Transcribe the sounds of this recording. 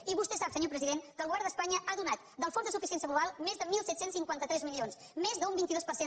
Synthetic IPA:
iβust̪ɛsapsəɲopɾəziðeŋkəlˠɣwβɛɾðəspaɲəʔaðunat̪d̪əlˠfondðəsufisiɛnsjəɣluβalˠmezðəmilˠsɛt̪sensiŋkwant̪ət̪ɾɛzmilions | mezðəumbint̪iðospəɾse

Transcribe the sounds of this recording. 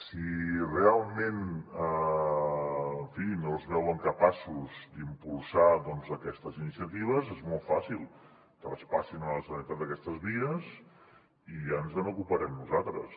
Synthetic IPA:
sirealˠmenə | əɱfinozβɛwəŋkəpasuzd̪impulˠsaðɔnzəkɛst̪əzinisiət̪iβ̞əzezmɔlˠt̪fa̰silˠ | t̪əəspasinələsənət̪at̪d̪əkɛst̪əzβiəz | ianzðənokupəɾɛmnuzat̪ɾə̰s

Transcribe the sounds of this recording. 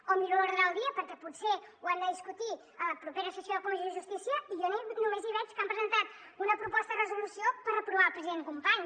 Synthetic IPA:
omiʎɾooɾðɾalˠd̪iəpəɾkɛputseuand̪əðiskut̪i | ələpɾupeɾəsəsjokuluʒiʒust̪isjɐijonenumeziβɛt͡ʃu̥kampɾəzənt̪at̪ | unəpɾupɔst̪əðrəzulusiopəɾəpɾuβalˠpɾəziðenɨkumpaɲ

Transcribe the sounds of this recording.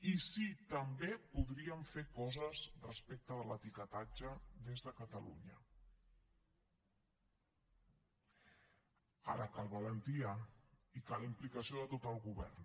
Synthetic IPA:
isit̪əmbepuðɾiəɱfekɔzəzrəspek̚t̪əðələt̪ikət̪ad͡ʒəðezðəkət̪əlṵɲə | a̰ɾəkalˠβələnt̪iəikalimplikəsioðət̪ot̪əlˠɣuβɛ̰rn

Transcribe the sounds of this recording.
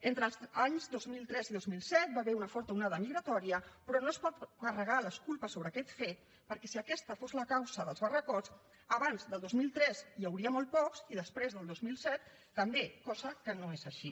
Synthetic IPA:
ent̪ɾəlˠzaɲzd̪ozmilˠt̪ɾɛziðozmilˠsɛt̪̚baβɛɾunəfɔɾt̪əunaðəmiɣɾət̪ɔɾiəpɾɔnospɔt̪kərəɣaləskulˠpəsoβɾəːkɛt̪fet̪ | pəɾkɛsiəkɛst̪əfozləkawzəðəlˠzβərəkot͡s | əβanzðəlˠd̪ozmilˠt̪ɾɛzjawɾiəmɔlˠt̪̚pɔksiðəspɾezðəlˠd̪ozmilˠsɛt̪ː | əmbekɔzəkənoezəʃi

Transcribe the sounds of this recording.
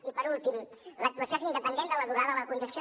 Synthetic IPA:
ipəɾulˠt̪imlək̚t̪uəsjozind̪əpənd̪end̪ələðuɾaðəðəkunʒəs

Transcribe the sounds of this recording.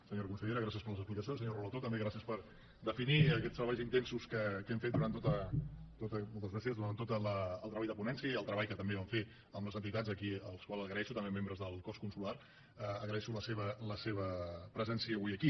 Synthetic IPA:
səɲoɾəkunsəʎeɾəɣɾasiəspəɾləzəsplikəs̬iõnsəɲoruβət̪ot̪əmbeɣɾasiəspəɾ | d̪əfiniəkɛt̪st̪ɾəβajzint̪ensuskəkɛmfet̪̚d̪uɾant̪ot̪ət̪ot̪əmolˠt̪əzɣɾasiəzd̪uɾant̪ot̪ələːlˠt̪ɾəβaʎd̪əpunɛnsiəiəlˠt̪ɾəβaʎjkət̪əmbeβaɱfe | əlˠnɔzənt̪it̪ad͡zəkiəlˠskwalˠzəɣɾəɛʃut̪əmbemembɾəzðəlˠkɔskunsulaɾ | əəɣɾəɛʃuləseβələseβəpɾəzɛnsiəːβujəki

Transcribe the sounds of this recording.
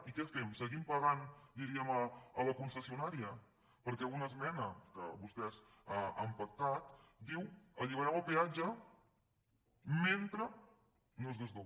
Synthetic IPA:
ikɛfemsəɣimpəɣand̪iɾiəməələkunsəsiunaɾiə | pəɾkɛunəzmɛnəkə̰βust̪ɛz | aampək̚t̪at̪d̪iwəʎiβəɾɛməlˠpead͡ʒə | ment̪ɾə | nozðəzðo

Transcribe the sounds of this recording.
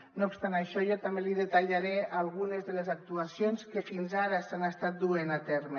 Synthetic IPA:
noupst̪anaʃɔʒɔt̪ambeliðet̪aʎaɾɛalˠɣunezðəlezak̚t̪uasionskefinzaɾəsanəst̪at̪̚d̪uenat̪ɛɾme

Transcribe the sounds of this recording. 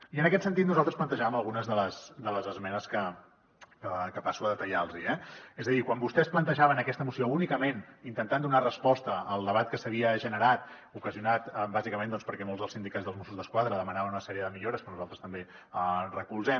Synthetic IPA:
iənəkɛt̪sənt̪it̪nuzalˠt̪ɾəsplənt̪əʒaβəməlˠɣunəzðələsd̪ələzəzmɛnəskə | kəkəpasuəðət̪əʎalˠziɛezəðikwambust̪ɛsplənt̪əʒaβənəkɛst̪əmusiounikəmenint̪ənt̪and̪unarəspɔst̪əəlˠd̪əβ̞at̪kəsəβiəʒənəɾat̪ | ukəziunat̪bazikəmend̪ɔnspəɾkɛmolˠzðəlˠsind̪ikadd͡zðəlˠzmosuzðəskwaðɾəðəmənaβənunəsɛɾiəðəmiʎoɾəspɾɔnuzalˠt̪ɾə̥st̪əmbe | ərəkulˠzɛm

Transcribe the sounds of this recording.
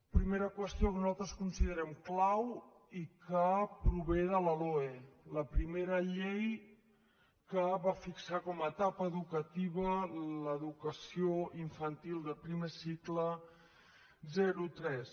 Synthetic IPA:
pɾimeɾəkwəst̪jokənuzalˠt̪ɾəskunsiðəɾɛmklaw | ikəpɾuβ̞eðələloeləpɾimeɾəʎej | kəβafiksakɔmət̪apəːðukət̪iβələðukəsioiɱfənt̪ilˠd̪əlˠpɾimesiklə | zɛɾut̪ɾɛs

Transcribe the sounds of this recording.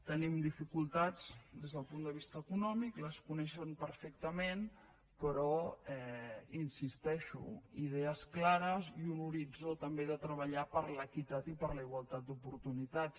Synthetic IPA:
t̪ənimd̪ifikulˠt̪ad͡zd̪ezð̞əlˠpund̪əβist̪əːkunɔmikləskunɛʃəmpəɾfɛk̚t̪əmen | pəɾɔɛinsist̪ɛʃṵið̞ɛəsklaɾəziunuɾid͡zot̪əmbeðət̪ɾəβ̞əʎapəɾləkit̪at̪ipəɾləiɣwalˠt̪at̪̚d̪upuɾt̪unit̪ats

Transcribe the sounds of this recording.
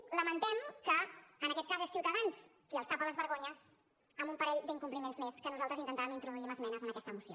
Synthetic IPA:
ləmənt̪ɛmkəːnəkɛt̪̚kazesiwt̪əðans | iəlˠst̪apələzβəɾɣoɲəs | əmumpəɾɛʎd̪iŋkumplimenzmeskənuzalˠt̪ɾəzint̪nt̪aβəmint̪ɾuðuiməzmɛnəzənɐkɛst̪əːmusio

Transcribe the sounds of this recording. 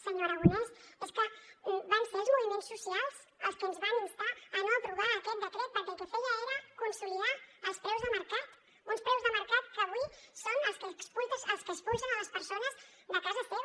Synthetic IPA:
səɲoɾəɣunalˠsəlˠskəbamfelzmunimonsːusjalˠs | əlˠskonzβamunstaːnat̪ɾuɣaɾət̪ot̪̚d̪ət̪ot̪̚pəɾt̪ot̪əfozaɔɾəkunsiliaəlˠspɾɛwzðəməɾkat̪ | unspɾɛwzðəməɾkat̪̚kəβisonəlˠskəsput̪səlˠskəspunsənaləspəɾsonəz | d̪əkazəfɔ

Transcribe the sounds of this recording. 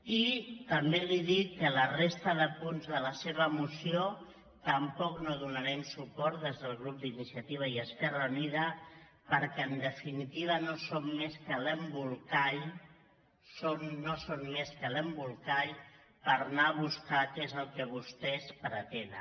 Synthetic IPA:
it̪əmbeliðit̚kːələrest̪əðəpunzðələseβ̞əmusio | t̪əmpɔknoðunəɾɛmsupɔɾt̪̚d̪ezðəlˠɣɾup̚d̪inisiət̪iβ̞əiəskɛrəuniðə | pəɾkɛəːnd̪əfinit̪iβ̞ənosomːeskələmbulˠkaʎ | somːosomːeskələmbulˠkaʎ | pəɾnaβ̞uskakezəlˠkəβust̪ɛspəɾət̪en

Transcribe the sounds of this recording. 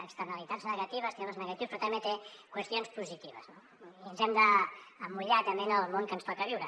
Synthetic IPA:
əkst̪ənəlit̪adznəɣɐt̪iβ̞əst̪ɾɛβəznəɣɐt̪iwspɾɔt̪ɐmbet̪ekwəst̪ionspuzit̪iβə̰zno | iənzɛmd̪əːmuʎat̪əmbenəlˠmoŋkənsfak̪əβiwɾə

